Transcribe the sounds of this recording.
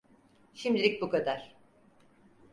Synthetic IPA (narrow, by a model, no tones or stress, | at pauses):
ʃimd̪ilʲic̚bukad̪aɾ̥